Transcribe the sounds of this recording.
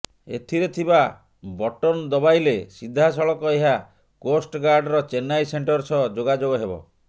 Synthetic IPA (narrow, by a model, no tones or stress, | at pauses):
ḛt̪ʰiɾet̪ʰiba | bɔʈɔnd̪ɔbajlesid̪ʱːasɔɭɔkɔeɦa | kosʈɡaɾɖɾɔt͡ʃenajseɳʈɔɾsɔd͡ʒoɡad͡ʒoɡɔɦebɔ̰